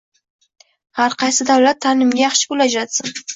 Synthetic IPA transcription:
haɾqʰɑjsɪd̪awlat̪ʰːanɪmɡʲajɑχʃɪ̥bolad͡ʒɾat̪sɪn

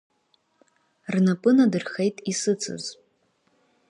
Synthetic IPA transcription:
rnapʼɨnadɨrxejtʼisɨt͡sʰɨ̰z

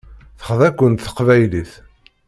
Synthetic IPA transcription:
θə̥χðækʷːənt̪θə̥qvæjliθ

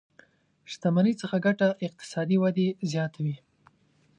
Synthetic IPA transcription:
ʃt̪amanit͡səxaɡaʈaʔɪq̚t̪ɪ̥sɑd̪iwad̪ezjɑt̪ʰawi

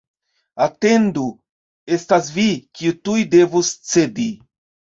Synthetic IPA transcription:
ate̞ndu | e̞stasvikiutujde̞vust͡se̞di

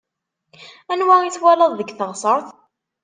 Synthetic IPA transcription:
ænwæiθwæləðˤðəɡθəʁsˤəɾˤθ

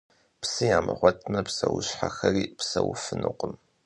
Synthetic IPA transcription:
psɨjaːmɨʁʷɔtʰmɐpsɐwʊɕħaxɐriːpsɐwfɨnuqʷʊm

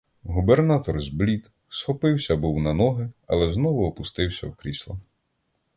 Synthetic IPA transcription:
ɦubernat̪ɔrzblʲit̪ | sxɔpɪwsʲɐbuwnɐnɔɦɪɐ̰lˠɛznɔʋʊɔpʊst̪ɪwsʲɐwkɾʲislˠɐ

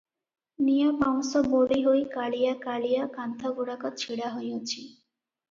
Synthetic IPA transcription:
nijabaŋsoboliɦojkaɭijakalijakant̪ʰaɡuɽakɔt͡ɕʰiɽaɦojot͡ɕʰi

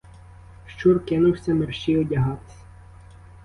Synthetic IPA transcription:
ʃt͡ʃurkɪnʊwsʲɐmerʃt͡ʃiɔdʲɐɦɑt̪ɪ̥sʲɐ̥

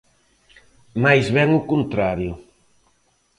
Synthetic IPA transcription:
majzβɛŋʊkunt̪ɾaɾjʊ

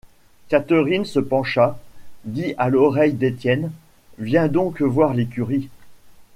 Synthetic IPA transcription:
kat̪əʁinsəpɑ̃ʃad̪iʔalɔʁɛjd̪et̪jɛn | vjɛ̃d̪ɔ̃kvwaʁlekʲyʁi

